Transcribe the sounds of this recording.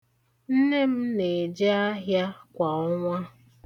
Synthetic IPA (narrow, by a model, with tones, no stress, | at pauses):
n̩˦ne˦m̩˦ne˨d͡ʒe˦a˦ɦja˦kʷa˨ɔ˦ŋʷa˦